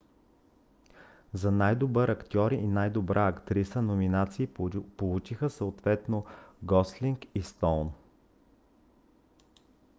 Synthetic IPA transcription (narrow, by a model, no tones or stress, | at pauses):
zɐnajd̪obəɾɐkt̪ʲjɔɾiʔːnajd̪obɾʔaɐkt̪ɾisənominat̪siːpolˠut͡ʃixəsəot̪vɛt̪noɡɔsliŋkist̪ɔln